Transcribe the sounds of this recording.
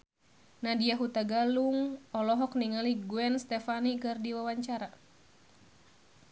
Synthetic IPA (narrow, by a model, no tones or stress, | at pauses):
nadiaɦut̪aɡaluŋɔlɔɦɔkniŋaliɡuɛnst̪ɛfanikɨrdiwawaɲt͡ʃaɾa